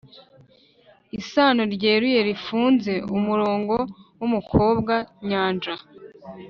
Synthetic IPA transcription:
isaːnoɾɟe̞ːɾuje̞ɾifuːnze̞umuɾo̞ːŋɡo̞wumukʰo̞ːb̚ɡaɲaːnd͡ʒa

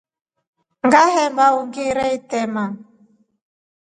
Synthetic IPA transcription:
ŋɡahɛmbauŋɡeɾɛitɛma

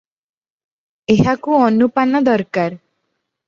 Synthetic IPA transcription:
eɦakuɔnupanɔd̪ɔɾkaɾ

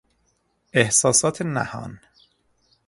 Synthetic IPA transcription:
ehsɒːsɒːt̪ʰenæ̰hɒ̰ːn

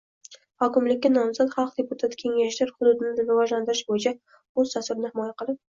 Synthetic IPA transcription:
hɒkʲɪmlɪkʲːanɒmzat̪χɑlˠqd̪e̞pʊt̪ʰat̪kʲʰe̞ŋaʃlɪɾχʊd̪ʊd̪ɪnɪɾɪvɒʒland̪ɪɾɪʃbojɪt͡ʃʰa | ozt̪ʰasʊɾɪnɪhɪmɒjaqɨlˠɪp̚

